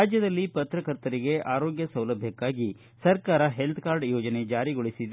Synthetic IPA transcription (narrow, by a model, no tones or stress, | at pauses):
aːd͡ʒjɐd̪ɐlːipɐt̪ɾɐkɐɾt̪ɐɾiɡe̞ʔaːɾo̞ːɡjɐsɐwlɐbʱjɐkːaːɡi | sɐɾkaːɾɐɦe̞lt̪ʰkaːɾɖjoːd͡ʒɐne̞d͡ʒaːɾiɡoɭisid̪